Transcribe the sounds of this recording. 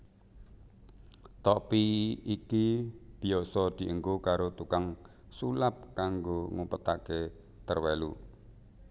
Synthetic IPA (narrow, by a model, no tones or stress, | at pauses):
t̪ɔpiikib̥i̤ɔsɔd̪̥i̤ʔəŋɡokaɾot̪ukaŋ | sulap̚kaŋɡoŋupət̪a̰ke | t̪ərwelṵ